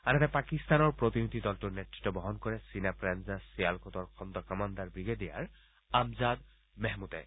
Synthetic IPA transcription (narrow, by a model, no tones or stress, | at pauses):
anat̪ɛpakist̪anɔɹpɹot̪init̪id̪ɔltuɹnetɹi̥tːɔbɔɦɔnkɔɹɛsinapɹanzasijalkʰɔt̪ɔɹkʰɔnd̪ɔkɔmand̪aɹbiɡɛd̪ija̰ɹ | amzad̪ | mɛɦmut̪ɛ̰